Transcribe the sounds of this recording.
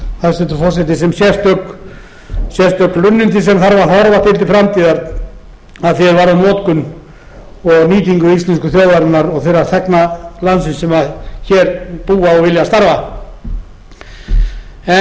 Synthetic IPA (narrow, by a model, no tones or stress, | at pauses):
θaðsɛt̪ʏfɔ̥sɛt̪ɪsɛmsjɛst̪œk | sjɛst̪œklʏnːʏnt̪isɛmθaɾvaɾθɔɾvat̪ʰɪlt̪ɪfɾamt̪iːðaɾ | aðθjɛɾvaɾðanɔːt̪kʏn | ɔɣniːt̪iŋkʏist̪ɛnskʏθjoːwðaɾnnːaɾɔɣθɛrːaɾθɛknalansɪnsɛmaðçɛɾpuːaɔɣvɪljast̪aɾva | ɛ